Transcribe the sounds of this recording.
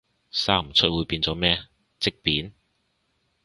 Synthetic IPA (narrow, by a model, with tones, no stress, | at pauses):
saː˥m̩˨˩t͡sʰɵ˥t̚wuː˨˧jpiː˧nt͡sɔː˨˥mɛː˥ | t͡sɪ˥k̚piː˨˥n